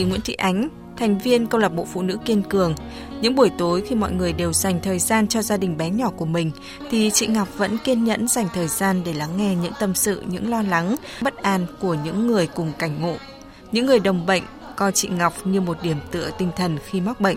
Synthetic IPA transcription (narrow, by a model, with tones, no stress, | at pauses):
ŋwḭ˧˥nt̪ḭ˧˨ʔa˨˦jŋ̟ | t̪ʰa˨˩jŋ̟vi˧ənkə˧wlə˨˩p̚ɓo̰˧˨fṵ˧˨nɨ̰˧˥ki˧ənkɨ˨˩əŋ | ɲɨ̰˧˥ŋɓu˧˩əjt̪o˨˦jxi˧mɔ̰˧˨jŋɨ˨˩əjɗe˨˩wza˨˩jŋ̟t̪ʰəː˨˩jzaː˧nt͡ɕɔ˧zaː˧ɗï˨˩ŋ̟ɓɛ˨˦ɲɔ˧˩ku˧˩əmï˨˩ŋ̟ | t̪ʰi˨˩t͡ɕḭ˧˨ŋa˨˩wk͡p̚və̰˧˥nki˧ənɲə̰˧˥nza˨˩jŋ̟t̪ʰəː˨˩jzaː˧nɗe˧˩la˨˦ŋːɛ˧ɲɨ̰˧˥ŋt̪ə˧msɨ̰˧˨ɲɨ̰˧˥ŋlɔ˧la˨˦ŋ | ɓə˦˥t̚ʔaː˨˧nku˧˩əɲɨ̰˧˥ŋːɨ˨˩əjkʊ˨˩ŋ͡mka˧˩jŋ̟ŋo̰˧˨ | ɲɨ̰˧˥ŋːɨ˨˩əjɗə˨˩wŋ͡mɓə̰˧˨jŋ̟ | kɔ˧t͡ɕḭ˧˨ŋa˨˩wk͡p̚ɲɨ˧mo˨˩t̚ɗi˧˩əmt̪ɨ̰˧˨ət̪ï˧ŋ̟t̪ʰə˨˩nxi˧ma˦˥k͡p̚ɓə̰˧˨jŋʔ